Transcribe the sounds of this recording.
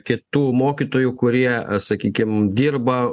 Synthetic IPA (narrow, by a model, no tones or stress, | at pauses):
kʲɪt̪uːmoːkʲit̪oːjukʊɾʲiɛsɐkʲiːkʲɪmd̪ʲiːrbɐ